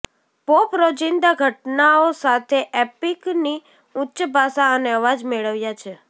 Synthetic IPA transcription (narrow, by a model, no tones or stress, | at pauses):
popɾod͡ʒɪnd̪aɡʱəʈnaosat̪ʰeʔepikni | utːʃəbʱasaəneəʋad͡ʒmeɭəʋjat͡ʃʰe